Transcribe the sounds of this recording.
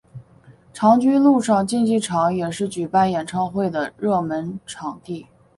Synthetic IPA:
ʈ͡ʂʰɑ˧˥ŋt͡ɕy˥nlu˥˧ʂɑ˥˧ŋt͡ɕi˥˧nt͡ɕi˥˩ʈ͡ʂʰɑ˧˥ŋjɛ˨˩ʂɻ̩˥˩t͡ɕy˨˩pa˥˩njɛ˨˩nʈ͡ʂʰɑ˥˧ʊxwe˥˩ɪd̪ə˩ɻɤ˥˩mə˧˥nʈ͡ʂʰɑ˨˩ŋt̪i˥˩

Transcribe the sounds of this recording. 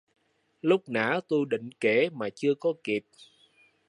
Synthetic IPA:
lʊ˦˥k͡p̚na̰ː˧˥t̪u˧jɗḭ̈˧˨ŋ̟ke˧˩maː˨˩t͡ɕɨ˧əkɔ˨˦ki˨˩p̚

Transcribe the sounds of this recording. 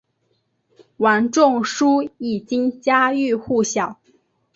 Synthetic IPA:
wa˧˥nʈ͡ʂʊ˥˩ŋʂu˥i˨˩t͡ɕi˥ŋt͡ɕja˥y˥˧xu˥˩ɕjɑ˨˩˦ʊ

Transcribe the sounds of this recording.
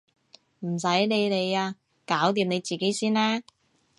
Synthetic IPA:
m̩˨˩sɐ˨˥jne˨˧jne˨˧jaː˧ | kaː˨˥wt̪iː˨˧mne˨˧jt͡siː˨˩ke˨˥jsiː˥nlɛː˥

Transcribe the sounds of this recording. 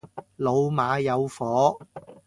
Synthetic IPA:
lo˨˧wmaː˨˧˥jɐ˨˧wfɔː˨˥

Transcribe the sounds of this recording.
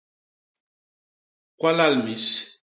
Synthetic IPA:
kwa˦la˦˨lmi˨˦s

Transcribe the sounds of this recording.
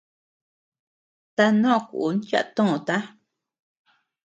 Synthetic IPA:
t̪a˧nõ˦˧˨kṵ˨ʔnt͡ʃa̰˧ʔt̪õ˦˨õ˨t̪a˦

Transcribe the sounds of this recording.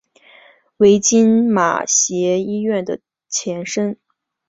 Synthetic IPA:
we˧˥ɪt͡ɕi˥nma̰˨˩ɕjɛ˧˥i˥ɥɛ˥˩nd̪ə˩ | t͡ɕʰjɛ˧˥nʂə˥n

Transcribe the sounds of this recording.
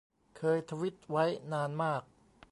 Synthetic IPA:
kʰɤː˧jt̪ʰa˧wi˦˥t̪̚wa˦˥jnaː˧nmaː˥˩k̚

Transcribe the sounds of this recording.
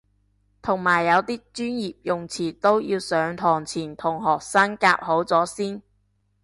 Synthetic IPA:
t̪ʰʊ˨˩ŋmaː˨˩jːɐ˨˧wt̪iː˥t͡ʃyː˥njiː˨p̚jʊ˨ŋt͡sʰiː˨˩t̪o˥wjiː˧wsœː˨˧˥ŋt̪ʰɔː˨˩ŋt͡sʰiː˨˩nt̪ʰʊ˨˩ŋɦɔː˨k̚sa˥ŋka̰ː˧k̚ho˨˥wt͡sɔː˨˥siː˥n

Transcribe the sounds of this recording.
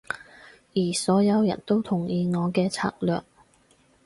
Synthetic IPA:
jiː˨˩sɔː˨˥jɐ˨˧wjɐ̰˨˩nt̪o˥wt̪ʰʊ˨˩ŋjiː˨˧ŋɔː˨˧kɛː˧t͡sʰa̰ː˧k̚lœ̰ː˨˩k̚

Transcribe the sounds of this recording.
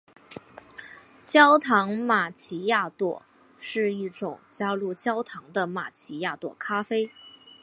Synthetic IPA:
t͡ɕjɑ˥ʊt̪ʰɑ˧˥ŋma˨˩t͡ɕʰi˧˥ja˥˧t̪wɔ̰˥˩ | ʂɻ̩˥˧i˥˩ʈ͡ʂʊ˨˩ŋt͡ɕja˥lu˥˩t͡ɕjɑ˥ʊt̪ʰɑ˧˥ŋd̪ə˧ma̰˨˩t͡ɕʰi˧˥ja˥˧t̪wɔ̰˥˩kʰa˥fe˥ɪ

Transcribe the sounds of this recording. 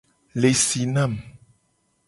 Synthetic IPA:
le˨si˨nã˦˨m

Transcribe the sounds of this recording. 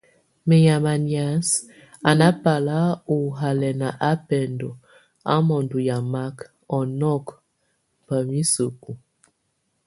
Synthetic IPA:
me˨ja˨ma˨nja˨˦s | a˨na˦pa˨la˦u˨ɦa˨lɛ˨na˨ʔa˦pɛ˨ndɔ˨ | a̰˦mɔ˨ndu˨ja˨ma˦k | ɔ˨nɔ˦˨k | pa˨mi˦su˨ku˨

